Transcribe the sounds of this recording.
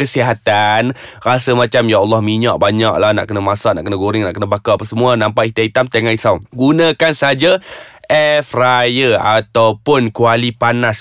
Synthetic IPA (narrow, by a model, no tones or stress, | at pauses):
kəsiɦat̪an | rasəmãt͡ʃamjaalːɔhmiɲaʔ̚baɲak̚lahna̰ʔkənəmasaʔnaʔkənəɡuɾɪŋna̰ʔkənəbakapasəmuanãmpaʔit̪ait̪amt̪eŋaʔisawɡunãkansəɦad͡ʒaʔɛfrajəat̪awpʊnkualipanas